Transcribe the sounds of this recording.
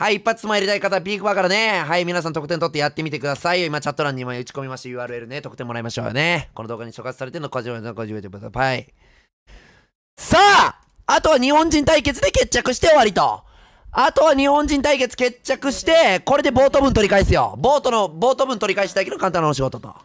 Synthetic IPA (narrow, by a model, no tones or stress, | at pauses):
haiːpːat͡sɨ̥smaeɾʲit̪aikat̪apʲiːɡɯbakaɾane̞ɦaimʲinas̬ãnt̪okɯ̟̥ẽnt̪ot̪ːejat̪ːe̞mʲit̪e̞kɯd̪asaioimat͡ɕat̪ːoɾãɲ̟imaɯ̟t͡ɕi̥ko̞mʲimaɕijɯ̟ːaːɾɯ̟e̞ɾɯ̟ne̞t̪o̞kɯ̟̥t̪ẽ̞mːoɾaimaɕo̞̰ːjo̰neko̞no̞d̪o̞ːɡaɲ̟iso̞kat͡sɨ̥saɾe̞t̪enokod͡ʑikoʑiɯet̪ebɯt̪oai | saː | at̪o̞β̞aɲ̟ihõ̞ɲ̟d͡ʑĩnt̪aike̞t͡sɨd̪e̞ke̞t͡ɕːakɯ̟ɕi̥t̪e̞o̞βaɾʲit̪o̞̰ | at̪o̞βaɲ̟ihõɲ̟d͡ʑĩnt̪aike̞t͡sɨ̥ke̞t͡ɕːakɯ̟ɕi̥t̪e̞ko̞ɾe̞d̪e̞bo̞ːt̪o̞bɯ̟̃nt̪o̞ɾʲikaisɨjo̞̰boːt̪onobo̞ːt̪obɯ̟nt̪o̞ɾʲikaiɕi̥t̪aikeokãnt̪ãnːoɕ̬iɡo̞t̪ot̪o̰